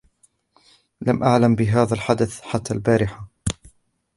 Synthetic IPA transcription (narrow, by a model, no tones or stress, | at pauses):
lamʔaʕlambɪɦaːðalħad̪aθħat̪ːaːlbaːɾɪħa